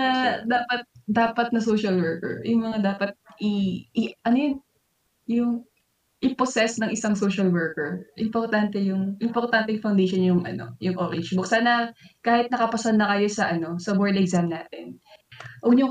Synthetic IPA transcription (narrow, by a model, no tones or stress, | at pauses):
ɐd̪aːpɐt̪̚d̪aːpɐt̪̚nɐsoːʃɐlwɛɹkɛ̰ɹjʊŋmɐŋad̪aːpɐt̪̚ʔɪʔʔɐnojon | jʊŋ | ʔɪposɛsnɐŋʔɪsaŋsoːʃɐlwɛɹkɛɹʔɪmpoɾt̪ant̪ɛjʊŋʔɪmpoɾt̪ant̪ɪŋfɐwnd̪eʃonjʊŋʔɐ̰no̞̰jʊŋʔoːɾɪnd͡ʒbʊk̚saːnɐkaːhɪt̪̚nɐkɐpɐsɐlnːɐkɐjo̞sɐʔɐno̞sɐboɹd̪ʔɛɡzamnaːt̪ɛnʔoɡɲʊŋ